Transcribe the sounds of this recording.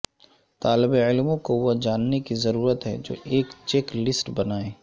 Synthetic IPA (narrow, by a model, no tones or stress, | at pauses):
t̪aːlɪbeɪlmõkoʋod͡ʒaːnːekizɐɾuːɾət̪ɦɛ̰d͡ʒo̰ːʔeːkt͡ʃeklɪsʈbɐnaːeː